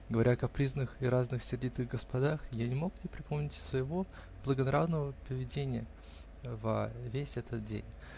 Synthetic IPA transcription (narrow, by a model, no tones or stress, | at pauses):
ɡəvɐɾʲakɐpɾʲiznɨxɪɾaznɨxsʲɪrdʲit̪ɨɣɡəspɐd̪axjanʲɪmo̞knʲɪpɾʲɪpʰomnʲɪtʲsvəjɪvo̞ | blˠəɡənɐɾavnəvəpəvʲɪdʲenʲɪjə | və̰vʲesʲɛt̪ʰət̪̚dʲḛnʲ